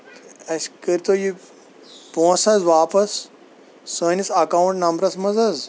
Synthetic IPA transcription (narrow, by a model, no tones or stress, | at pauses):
ɐskəɾt̪oːji | põːsɐzʋaːpɐsː | əːnisɐkawũɳʈnɐmbɾɐsmɐzɐz